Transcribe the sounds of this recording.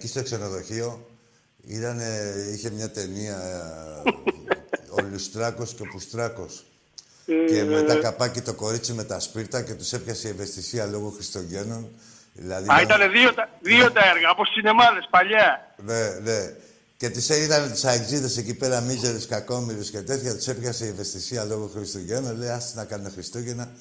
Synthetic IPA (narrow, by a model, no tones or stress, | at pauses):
ecist̪oekse̞no̞ðo̞çio̞ | ḭt̪ɐneiçe̞mɲɐt̪e̞niɐ | olust̪ɾako̞scopust̪ɾɐko̞s | ke̞met̪akapacit̪o̞ko̞ɾit͡sime̞t̪ɐspiɾt̪ɐce̞t̪usepçasieve̞st̪isiɐlo̞ɣoxɾist̪oʝeno̞n | ðḭlaðiait̪aneðiot̪aðiot̪aeɾɣaposθinemaðe̞spaʎanene̞ | cet̪iseiðant̪i̥saeɡziðese̞c̬ipe̞ɾamizeleskakomilusket̪eθiʝat̪u̥se̞pʝaseevest̪isialo̞ɣoxɾist̪oʝenonleasiznakanexɾist̪oʝena